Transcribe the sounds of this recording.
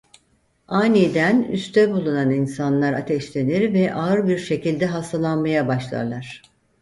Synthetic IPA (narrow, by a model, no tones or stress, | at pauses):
aːnid̪æny̰st̪ʰɛbulˠunaninsanlˠaɾat̪ʰɛʃlʲe̞niɾvɛʔaɯɾbiɾʃe̞cilʲd̪ɛɦast̪ʰalˠanmajabaʃlˠa̰ɾlˠaɾ̝̥